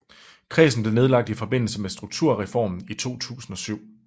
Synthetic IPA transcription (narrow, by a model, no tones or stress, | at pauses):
kʰʁɛ̰ːsn̩b̥le̝ne̝ð̞ˠlɑ̈ɡ̥̚d̥ifɒ̽b̥e̝n̰l̩səmesd̥ʁuɡ̥̚t͡sʰuɐ̰ʁɛfɒ̰ːmn̩it͡sʰo̝̰ːt͡sʰṵːsn̩ɒ̽syʊ̰